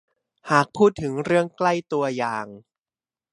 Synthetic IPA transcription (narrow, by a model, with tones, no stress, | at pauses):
haː˨˩k̚pʰuː˥˩t̪ʰːɯ˩˦ŋɾɯ˥˩əŋkla˥˩jt̪u˧ɐjaː˨˩ŋ